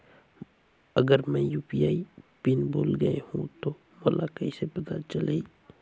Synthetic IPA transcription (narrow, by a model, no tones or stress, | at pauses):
ɐɡəɾmɛ̃juːpijaːipinboːlɡəehũt̪o | molakɐisebɪɡat͡ʃəlei